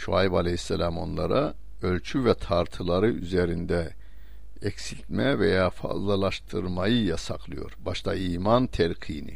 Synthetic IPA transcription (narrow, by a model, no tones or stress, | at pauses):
ʃuajbalʲehisːɛlʲamo̞nlˠaɾa | ølʲt͡ʃʰyvɛt̪ʰaɾt̪ʰɯlˠaɾɯyzeɾind̪ɛ | ɛcsilʲt̪mɛvejaːfa̰zlˠalˠaʃt̪ʰɯɾmajɯjasaklˠɯjo̞̰ɾbaʃt̪ʰaiːmant̪ʰɛɾkʰiːnḭ